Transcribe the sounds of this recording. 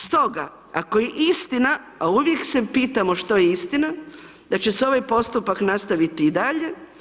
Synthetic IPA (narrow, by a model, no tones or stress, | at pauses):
st̪o̞ɡa̰ | ako̞jeʔist̪ina | auʋjekse̞piːt̪amo̞ʃt̪o̞jeist̪ina | d̪at͡ɕeso̞ʋajpo̞st̪upaknast̪aʋit̪iːd̪aʎe̞